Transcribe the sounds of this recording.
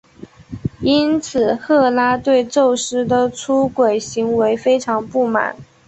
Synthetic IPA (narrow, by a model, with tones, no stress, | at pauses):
i˥nt͡sʰɹ̩˨˩xɤ˥˩la˥t̪we˥˧ɪʈ͡ʂo˥˩ʊʂɻ̩˥d̪ə˨ʈ͡ʂʰu˥kwe˨˩ɪɕi˧˥ŋwe˧˥ɪfe˥ɪʈ͡ʂʰɑ˧˥ŋpu˥˩ma̰˨˩˦n